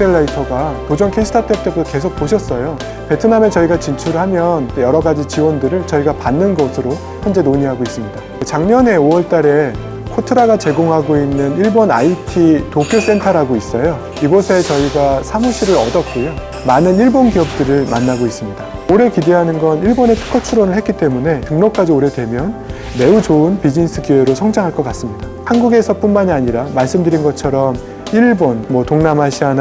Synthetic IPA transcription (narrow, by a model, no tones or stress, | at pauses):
eɭːaitʰʌɡatod͡ʑʌŋkʰeiɕʰtʰatʰet͈ebutʰke̞s̬ʰok̚poɕʰʌs͈ʌjo | pe̞tʰɯname̞t͡ɕʌiɡat͡ɕint͡ɕʰuɾɯɭɦamjʌnt͈ojʌɾʌɡad͡ʑit͡ɕiwʌndɯɾɯɭt͡ɕʌiɡapanːɯnɡʌsʰɯɾo | çjʌnd͡ʑe̞noɲiɦaɡois͈ɯmɲidakt͡ɕaŋɲʌne̞oʌɭt͈aɾe̞ | kʰotʰɯɾaɡat͡ɕe̞ɡoŋɦaɡoinːɯniɭbona̰itʰitokʰjos͈e̞ntʰaɾaɡois͈ʌjo | iɡʌsʰe̞t͡ɕʌiɡasʰamɯɕ͈ʰiɾɯɾʌdʌt̚k͈ojo | manɯniɭbonɡiʌp̚t͈ɯɾɯɭma̰nːaɡois͈ɯmɲida | oɾe̞kide̞ɦanɯnɡʌniɭbone̞tʰɯ̥kʰʌt͡ɕʰuɾonɯɭhe̞k͈it͈e̞mune̞tɯŋnok̚k͈ad͡ʑioɾe̞dwe̞mjʌn | me̞ut͡ɕoɯnpid͡ʑinis͈ʰɯkiwe̞ɾosʰʌŋd͡ʑaŋɦaɭk͈ʌk͈as͈ɯmɲidahanɡuɡe̞sʰʌp͈unmaɲiaɲiɾamaɭs͈ɯmdɯɾinɡʌt͡ɕʰʌɾʌm | iɭbonmwʌtoŋnamɦaɕʰiɦan